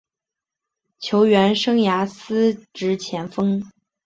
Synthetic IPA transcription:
t͡ɕʰjo˧˥ʊɥɛ˧˥nʂɤ˥ŋja˧˥sɹ̩˥ʈ͡ʂɻ̩˧˥t͡ɕʰjɛ˧˥nfɤ˥ŋ

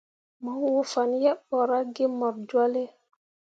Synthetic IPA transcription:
mɔ˨˦wo˦˨fa˨njɛ˦ɓɔ˨ɾa˦ɡe˦mɔ˨ɾd͡ʒwa˦le˦

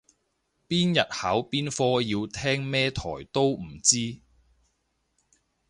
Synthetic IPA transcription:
piː˥njɐ˨t̚hɐ˨˥wpiː˥nfɔː˥jiː˧wt̪ʰɛː˥ŋmɛː˥t̪ʰɔ̰ː˨˩jt̪o˥wm̩˨˩t͡siː˥

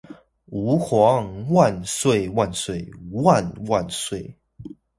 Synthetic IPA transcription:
u˨˦xwa˨˧˦ŋwa˥˨nswe˥˨ɪwa˥˨nswe˥˨˩ɪ˦wa˥˨nwa˥˨nswe˥˩ɪ

